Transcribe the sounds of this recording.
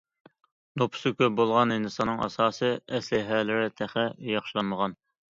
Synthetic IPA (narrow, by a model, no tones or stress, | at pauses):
nopʰʊ̥sɨkʲʰøbolˠʁɑnenɨsɑnːɨŋʔɑ̰sɑːsɨɛslɪɦælɪɾɛt̪ʰæχɛjɑχʃilˠɑnməʁɑn